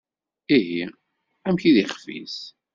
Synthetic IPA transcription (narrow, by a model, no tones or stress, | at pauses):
iɦi | æmçiðiχfḭs